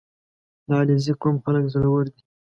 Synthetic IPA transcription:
lɑliziqomxaləkzəlawəɾd̪i

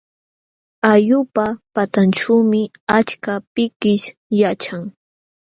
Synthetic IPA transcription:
ajʊpapat̪anʈ͡ʂawmɪat͡ʃkapɪkɪʃjat͡ʃaŋ

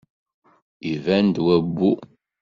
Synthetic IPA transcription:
ivænd̪wæbːu

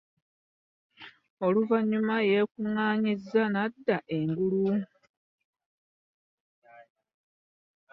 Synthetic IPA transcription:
o̞luvaɲumaje̞kuŋaːɲizːanadːaʔeŋɡulu

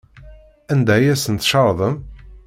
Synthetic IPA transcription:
ænd̪æjæsənt̪ʃɑɾˤðˤəm

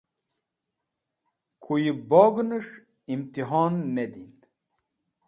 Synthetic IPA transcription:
kʰujibɔːɡnɨʂ | imt̪iɦɑːnːed̪in

